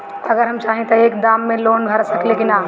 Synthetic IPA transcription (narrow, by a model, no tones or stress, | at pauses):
ɐɡəɾɦɐmt͡ʃaːɦĩt̪ɐeːkd̪aːmːẽloːɳbʱɐɾsɐklekɪnaː